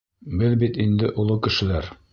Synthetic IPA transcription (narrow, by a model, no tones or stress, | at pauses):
bɘlbit̪ind̪ɘʔolˠɤkɘ̆ʃɘ̆læɾ